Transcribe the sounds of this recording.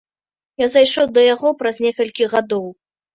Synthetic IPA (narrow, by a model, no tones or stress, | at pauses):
jazajʂɔwd̪ɐjaɣɔpɾɐzʲnʲɛkɐlʲkʲiɣad̪ɔw